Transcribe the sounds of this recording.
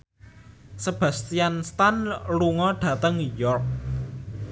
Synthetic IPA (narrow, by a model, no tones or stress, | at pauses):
səb̥a̤st̪ianst̪anluŋɔɖ̥ä̤t̪əŋnujɔrk̚